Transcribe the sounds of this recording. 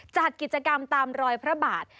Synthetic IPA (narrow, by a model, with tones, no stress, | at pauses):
t͡ɕa˨˩t̪̚ki˨˩t̪̚t͡ɕa˧ka˧mt̪aː˧mɾɔː˧jpʰɾa˦˥baː˨˩t̪̚